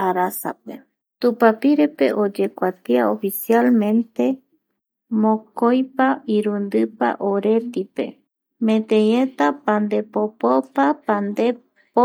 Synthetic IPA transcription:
aɾasa̰pe | t̪upapiɾepe̞̰ʔod͡ʒe̞kʷat̪iaofisialmẽ̞nt̪e̞ | mõkojpaiɾund̪ɨpa̰ʔoɾe̞t̪ipe̞̰ | mẽ̞t̪ẽjẽt̪apand̪e̞popopapand̪e | po

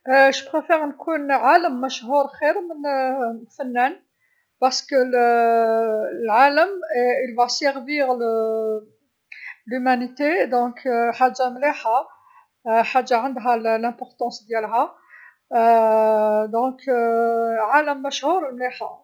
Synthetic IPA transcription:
ʃpχefɛʁnkunʕaləmːæʃhuɾxiɾmənfænːæn | pɑʁskəl | lʕaləmilvasɛʁviʁlə | lymænit̪ed̪ɔ̃kħaʒːamliħa | ħaʒːaʕənd̪ɦællæ̃pɔʁt̪ɑ̃sd̪jælɦæ | d̪ɔ̃k | ʕaləmːæʃhuɾmliħa̰

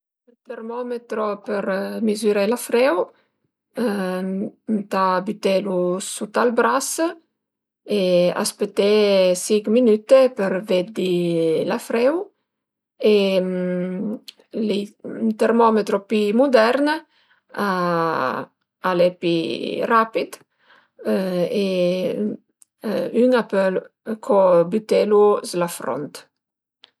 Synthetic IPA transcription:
t̪ermɔmet̪ɾopeɾmizyɾelafɾɛw | t̪abit̪elusut̪albɾas | ea̰spet̪ːesikminyt̪epəɾved̪ilafɾɛw | e | lint̪eɾmɔmet̪ɾopimud̪ɛɾn | a | alepḭrapid̪ | e | yŋapøl | kʰobyt̪eluslafɾo̰nt̪

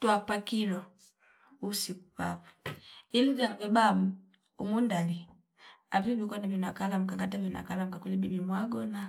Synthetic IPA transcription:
twapakiɾɔ | usikupa̰pu̥ilivjaŋvɛbamu | umundali | apivikanavinakalam̩kaɡatavina̰kalam̩kakulibibimwaɡɔna

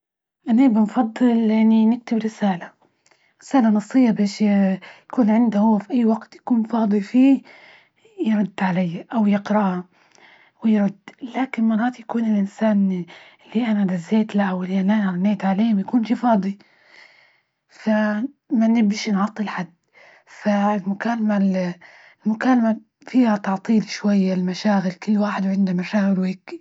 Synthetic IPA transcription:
ʔanabɪnfɑd̪ˤːɨlʔanːinɪk̚t̪ɪbɾɪsaːla | ɾɪsaːlanɑsˤːɨjːabeːʃjakuːnʕɪnd̪ahʊwːafiʔajːwaɡt̪jḁkuːnfɑːd̪ˤifiː | jɾʊd̪ːʕalajːaʔawjɪqɾɑʔa | wɪjɾʊd̪̥ːlaːkɪnmɑrˤːɑːt̪jakuːnɪlʔɪnsaːnʔɪlːiʔanad̪azːeːt̪laʔawʔɪlːiʔalanɑɾˤnːeːt̪ʕaleːhmjakuːnʃiːfɑːd̪ˤi | fa | manɪbiʃnʕɑt̪ˤːilħad̪ː | faɪlmʊkaːlamal | ɪlmʊkaːlama | fiːhat̪ɑʕt̪ˤiːlʃwajːalmaʃaːɣɪlkɪlːwaːħɪd̪wʕɪnd̪amaʃaːɣɪlweːki

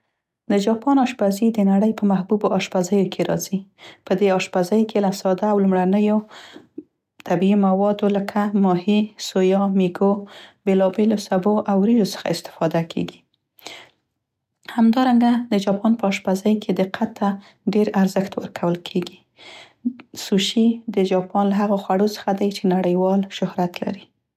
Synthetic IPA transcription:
d̪əd͡ʒɑpɑnɑʃbazid̪ənaɽəjpəmahbuboʔɑʃbazəjokʰeɾɑ̰zipəd̪eɑʃpazəjkʰelasɑd̪aːwlumɽanəjo | t̪abiimawɑd̪oləkʰamɑhisojɑmiɡobelɑbelosaboʔawɾijosə̥xa̰ɪst̪ɪ̥fɑd̪akʰḛɡi̥ | hamd̪ɑɾaŋɡad̪əd͡ʒɑpɑnpəɑʃpazajkʰed̪ɪqʰat̪ːa | ɖeɾaɾzəxt̪wəɾkʰawəlkʰeɡi | suʃid̪əd͡ʒɑpɑnlaɦaɣoxwaɽosə̥xad̪ajt͡ʃenaɽəjwɑlʃʊhɾat̪la̰ɾi

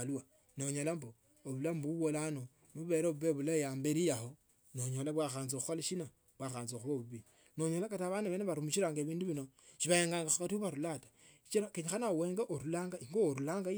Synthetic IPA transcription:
alua | noɲolambo | oβulambuβwolano | muβe̞ɾeβuβeβulajambeɾijaho | noɲolaβwaxaːnzouxolaʃina | βwaxaːnzoxuβoβuβi | no̞ɲolakataβaːnaβeneβaɾumut͡ʃiɾaːŋɡeβiːnduβinoʃiβajeŋɡaːŋɡaxakatiuβaɾulatḁ | t͡ʃiɾakeɲixanaweːŋɡaʔoɾulaːŋɡaiŋɡoːɾulaːŋɡa

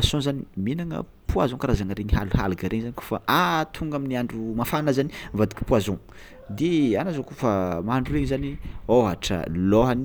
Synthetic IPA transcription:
asõzaniminaŋə̰ | puazõkaɾazaŋəɾeɲiɦa̰luɦa̰luɡaɾʔeŋzaniku̥faʔat̪ʰuŋɡaminiaɳɖ͡ʐumafanazanivad̪i̥kʲi̥puazõ | d̪eanazokufamaaɳɖ͡ʐuɾeɲzanioɦa̰ʈ͡ʂə̰loɦan

